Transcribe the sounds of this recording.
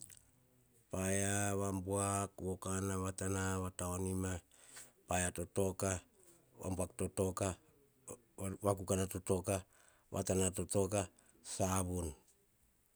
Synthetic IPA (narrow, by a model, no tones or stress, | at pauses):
pajaβambuakwokanaβatanaβataonima | pajato̞to̞ka | βa̰mbuakto̞to̞ka | βakukanato̞to̞ka | βʔa̰tanato̞to̞ka | saβun